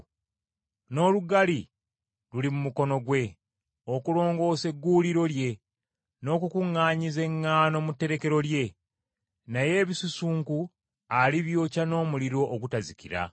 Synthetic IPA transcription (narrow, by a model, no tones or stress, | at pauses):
no̞ːluɡali | lulimumuko̞no̞ɡwe̞ | o̞kulo̞ːŋɡo̞ːse̞ɡːuliɾo̞lje̞ | no̞ːkukuŋːaːɲize̞ŋːaːno̞mutːe̞ɾe̞ke̞ɾo̞lje̞ | naje̞ːβisusuːŋku | aliβjo̞ːcano̞ːmuliɾo̞ʔːɡutazikiɾa̰